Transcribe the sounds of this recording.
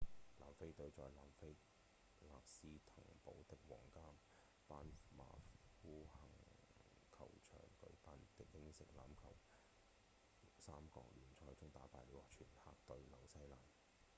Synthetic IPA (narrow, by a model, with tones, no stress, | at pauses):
laː˨mfe˥jt̪ɵ˧ɥt͡sɔː˨jlaː˨mfe˥j | laː˨p̚siː˥t̪ʰʊ̰˨˩ŋpo̰˨˥wt̪ɪ˨k̚wɔ̰ː˨˩ŋkaː˥m | paː˥nma̰ː˨˩fuː˥hɐ˨˩ŋ | kʰɐ̰˨˩wt͡ʃʰœ̰ː˨˩ŋkɵ̰˨˧ɥpa˧nt̪ɪ˨˥k̚ːɪ˥ŋsɪ˨k̚laː˨˥mkʰɐ˨˩w | saː˥mkɔ̰ː˧k̚lyː˨˩nt͡sʰɔː˧˥jt͡sʊ˥ŋt̪aː˨˥paː˧jle˨˧waː˨˩t͡ʃʰyː˨˩nha̰ː˧k̚t̪ɵ˧ɥlɐ˨˧wsɐ˥jlaː˨m